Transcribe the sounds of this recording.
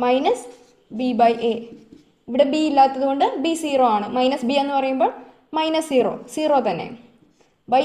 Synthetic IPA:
mɐjnɐs | bibɐjʔe | iʋiɽebiilːaːt̪ːɐðuko̞ɳɖɨbisiːroːaːɳɨmɐjnɐsbienːɨpɐrɐjumbo̞ːɭ | mɐjnɐsːiːro̰ːsiːroːt̪ɐnːḛ | bɐj

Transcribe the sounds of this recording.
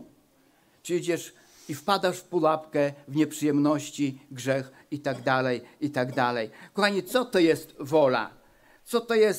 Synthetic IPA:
pʂɘd͡ʑɛʂ | ifpad̪aʂfpulapkɛvɲɛpʂɨjɛmnɔɕt͡ɕiɡʐɛx | it̪aɡd̪alɛjit̪aɡd̪alɛjkɔxaɲit̪sɔt̪ɔjɛst̪vɔla̰ | t̪sɔt̪ɔjɛs

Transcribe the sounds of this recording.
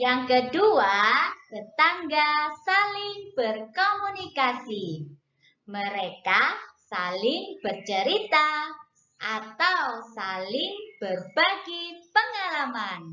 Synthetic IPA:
jaŋkəduat̪ət̪aŋɡasalɪŋb̥ərkomunikasi | məɾekasalɪŋb̥ərt͡ʃəɾit̪a | ʔat̪awsalɪŋb̥ərbaɡipəŋalaman

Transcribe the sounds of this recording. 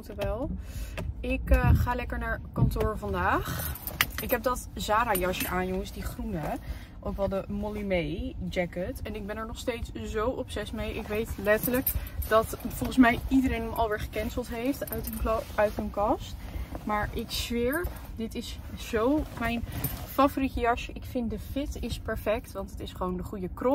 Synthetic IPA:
təʋɛlˠ | ɪkχaːlɛkəɹnaːɹkɑntʊːɹvɑndaːχɪkɦɛb̚dɑtzaːɾaːjɑʃəaːnjɔŋəsdiχrunə | ʔowkʋɛlˠdəmolimejd͡ʒɛkətɛnɪɡ̚bɛnɛɹnɔχstejtszowʔɔpsɛsmejʔɪkʋejtlɛtələkd̥ɑtfɔlˠχən̩smɛjidəɾejnɦəmʔɑ̰lˠʋɪːɹχə̥kɛnsəlˠtɦejfttnœɥtɦənkɑstmaːɹʔɪksʋɪɹpdɪtɪsz̥owmɛjnfavoɾitəjɑʃəʔɪkfɪndəfɪtɪspɛɹfɛk̚tʋɑntətɪsχəʋowndəχujəkrɔ

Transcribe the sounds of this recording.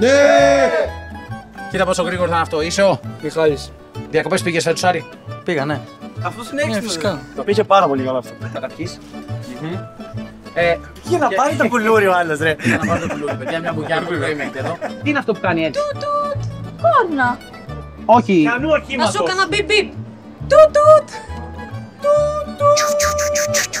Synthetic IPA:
ne | tit̪ɐposoɣɾiɣoɾoθɐnɐft̪oiseot̪ixɐlis | ðiɐko̞pe̞spiʝesfet̪u̥sɐɾi | piɣɐneɐft̪osineensefisikɐt̪opiçepɐɾɐpo̞liɣɐlɐft̪opukɐt̪ɐɾçis | e | enɐpɐnit̪okuluɾioɐlosɾenɐpɐnit̪ouluɾiopeðjɐmɲɐbujɐuiɣoimet̪eðot̪iineɐft̪o̞pu̥kɐniet̪ut̪konːɐ | oçiɐnuɐçimɐsokɐnɐbibip | t̪ut̪ut̪ | t̪ut̪u

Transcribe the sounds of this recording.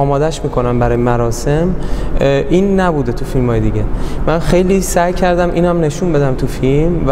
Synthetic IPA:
ɒːmɒːd̪æʃmiːkʰo̞næmbæɾɒːjemæɾɒːse̞m | ʔiːnːæbuːd̪et̪ʰufilmhɒːjed̪iɟemænxe̞jliːsæjcʰæɾd̪æmʔḭːnæmne̞ʃunbe̞d̪æmt̪ʰufilmv

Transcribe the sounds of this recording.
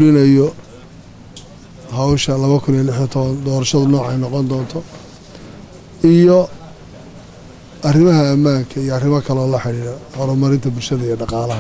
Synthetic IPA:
ɽɪnɐjɔ | ɦɐwʃɐlɐβɐkʰʊnijɐlɪħit̪ʰɔβɐnd̪ɔːɾɐʃɐðʊnɔːʕɛ̰jnɔqɔnd̪ɔːnt̪ʰɔ | ijɔ | ɐrɪmɐɦɐːmːaːŋkʰɐijɔɐrɪmɐkʰɐlɛɔːlɐħɪɽiːɽɛhɔɾɔmɐɾɪnt̪ʰɐbʊlʃɐðɐijɔɖɑqɑːlɐɦɐ

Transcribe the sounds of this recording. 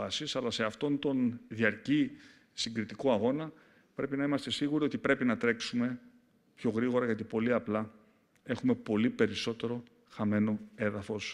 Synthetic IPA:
ɐsisɐlɐse̞ɐft̪o̞nt̪o̞nðiɐɾci | siŋɡɾit̪ikoɐɣo̞nɐ | pɾe̞pinɐimɐst̪e̞siɣuɾio̞t̪ipɾe̞pinɐt̪ɾe̞ksume̞ | pço̞ɣɾiɣo̞ɾɐʝɐt̪̬ipo̞liɐplɐ | e̞xume̞po̞lipe̞ɾiso̞t̪e̞ɾo̞ | xɐme̞no̞e̞ðɐfo̞s

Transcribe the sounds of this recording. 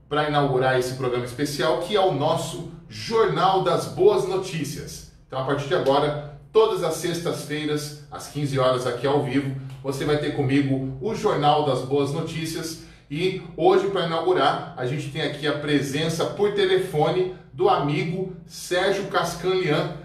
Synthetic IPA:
pɾɐinawɡuɾaɾesɪ̥pɾoɡɾɐ̃mɐispesiawkʰɪɛʊnɔsʊʒoɾnawd̪ɐzboɐznot͡ʃisiɐs | t̪ɐ̃w̃apaɾt͡ʃiɾd͡ʒaɡɔɾɐt̪od̪ɐzɐsːest̪ɐsfejɾɐsɐ̰skĩzɪɔɾɐzakiawvivʊvosevajt̪eɾkõmiɡʊʊʒoɾnawd̪ɐzboɐznot͡ʃisiɐs | ɪoʒɪpɾɐinawɡuɾaɾaʒẽnt͡ʃɪ̥t̪ẽj̃akʰiɐpɾezẽsɐpʊɾt̪elefõnɪ | d̪ʊamiɡʊ | sɛɾʒʊkaskɐ̃liɐ̃

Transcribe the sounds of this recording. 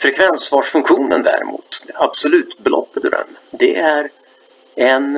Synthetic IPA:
fɾɛkʰvɛnsvɑːʂfɵŋkɧuːnənd̪æ̰ɾɪ̰mṵːt̪ab̥sɔlʉ̟ːt̪bɛlʔɔ̰pːət̪ɾɛ̰nd̪ɛʔæɾ | ɛn

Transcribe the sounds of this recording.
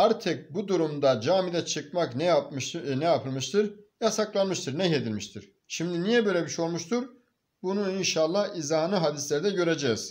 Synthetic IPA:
æɾt̪ʰɛk̚bud̪uɾumd̪ad͡ʒaːmid̪ɛt͡ʃʰɯk̚maknɛjapʃnɛjapʰɯlˠmɯʃt̪ʰɯɾjasaklˠanmɯʃt̪ʰɯɾnɛɦe̞d̪ilʲmiʃt̪ʰiɾ̥ | ʃimd̪inijɛbøjlʲɛbiʃeo̞lˠmuʃt̪ʰuɾ | bunuinʃalˠːahizaːnɯɦad̪islʲæɾid̪ɛɟø̞ɾed͡ʒɛz̥

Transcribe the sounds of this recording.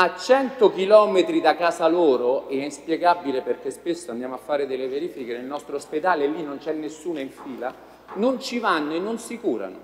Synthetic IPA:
at͡ʃːɛnt̪ok̟ilɔːmet̪ɾid̪akaːsaloːɾoɛɛispjɛɡabːileperk̟espesːoand̪jaːmoafːaːɾed̪elːeveɾiːfikenelnɔst̪ɾoosped̪aːlelːinːont͡ʃɛnːesːuːnoiɱfiːla | nont͡ʃivanːoenːonsikuːɾa̰no̰

